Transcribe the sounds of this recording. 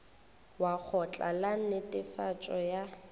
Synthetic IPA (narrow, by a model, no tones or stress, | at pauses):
wak͡xʰɔt͡ɬʼa̰lan̩nɪtʼɪfat͡ʃʼɔja